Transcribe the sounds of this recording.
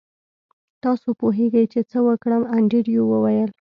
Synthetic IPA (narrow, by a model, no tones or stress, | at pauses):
t̪ɑsopoɦeɡəjt͡ʃet͡səwəkɽəmaɳɖiɽjowəwajəl